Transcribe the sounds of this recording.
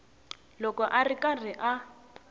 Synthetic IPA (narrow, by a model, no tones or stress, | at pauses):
lɔkɔʔarikʼariʔa